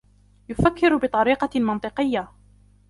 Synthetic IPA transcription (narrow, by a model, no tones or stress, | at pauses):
jʊfakːɪɾbɪt̪ˤɑɾiːqɑmɑnt̪ˤɨqɪjːa